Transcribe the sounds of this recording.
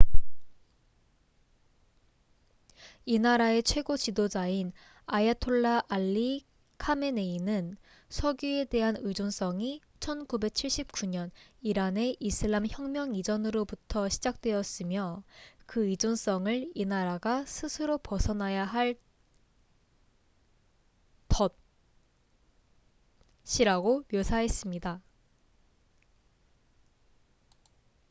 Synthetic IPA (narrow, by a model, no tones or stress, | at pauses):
inaɾae̞t͡ɕʰwe̞ɡot͡ɕidod͡ʑain | ajatʰoɭːaʔaʎːi | kʰame̞ne̞inɯn | sʰʌɡjue̞de̞ɦanɯd͡ʑons͈ʌŋi | t͡ɕʰʌnkube̞k̚t͡ɕʰiɭɕ͈ip̚k͈uɲʌniɾane̞ʔisʰɯɭːamçjʌŋmjʌŋid͡ʑʌnɯɾobutʰʌɕʰid͡ʑak̚t͈we̞ʌs͈ɯmjʌkɯid͡ʑons͈ʌŋɯɭinaɾaɡasʰɯsʰɯɾopʌsʰʌnajaɦaɭ | tʌ | ɕ͈ʰiɾaɡomjosʰaɦe̞s͈ɯmɲida